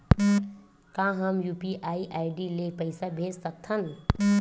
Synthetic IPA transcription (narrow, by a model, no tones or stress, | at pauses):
kãɦəmjupiʔaiʔajɖilepəjsabʱed͡ʒsək̚t̪ʰən